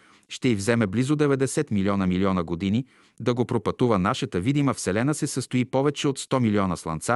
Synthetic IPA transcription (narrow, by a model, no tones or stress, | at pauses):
ʃt̪ɛivzɛmɛblizod̪ɛvɛd̪ɛsɛt̪miliɔnəmiliɔnəɡod̪ini | d̪ɐɡopɾopɐt̪uvənaʃət̪əvid̪iməfsɛlɛnəsɛsəst̪oipɔvɛt͡ʃɛot̪st̪ɔmiliɔnəslˠɐ̰nt̪sa